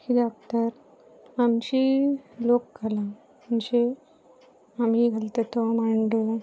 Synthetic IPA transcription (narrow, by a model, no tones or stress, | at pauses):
kidak̚t̪əɾ | amt͡ɕilokɡala | mənd͡ʑe | amiɡʱəlt̪et̪omaɳɖo